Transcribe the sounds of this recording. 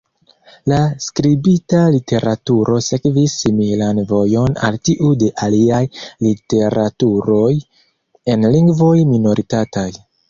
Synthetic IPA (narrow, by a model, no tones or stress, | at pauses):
laskɾibitalitʰe̞ɾʔatuɾʔo̞se̞kvisːimilanvo̞jo̞na̰ltiʔude̞ʔaliajlite̞ɾatuɾo̞j | e̞nliŋɡvo̞jmino̞ɾʔitataj